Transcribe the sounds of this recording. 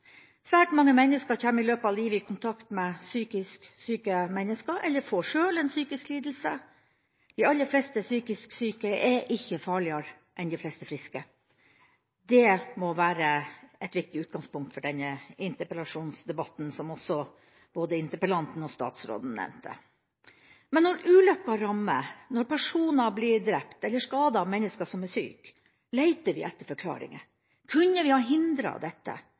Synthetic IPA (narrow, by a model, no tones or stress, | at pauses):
sʋæːʈmɑŋːəmɛnːəskəɾçæmːɪløːpəɑʋliːʋəɪkʰʊnt̪ʰɑkt̪mɛsyːkɪsksyːkəmɛnːəskəɾʔɛlːəɾfoːʂøːlɛnsyːkɪskliːd̪l̩sə | d̪̥ɪɑlːəɾflɛst̪əsyːkɪsksyːkəʔɛʔɪçːəfɑːɭɪəɾ | ʔɛnd̪ɪflɛst̪əfɾɪskə | d̪ɛmɔʋæːɾəɛt̪ʋɪk̚t̪ɪʉːt̪̚ɡɑŋspʊŋt̪fɔɖɛnːəɪnt̪əpəlɑʂuːnsd̪ɛbɑt̪ːn̩sɔmɔsːɔ | b̥oːd̪əɪnt̪əpəlɑnt̪n̩ɔst̪ɑ̰ːt̪sɾo̰ːd̪n̩nɛ̰mt̪ʰə̰ | mɛnːɔɾʉːlœkːɑɾɑmːənɔɾpʰæʂuːnɑblɪɾɖɾɛpt̪ɛlːəʂkɑːd̪ɑmɛnːəskɑʂɔmæsy̰ːk | leɪt̪əʋɪ̰ʔɛt̪ːəɾfɔɾkʰlɑ̰ːɾɪ̰ŋə | kʰʉnːəʋɪhɑːɦɪnd̪ɾɑ̰d̪ɛt̪ːə̰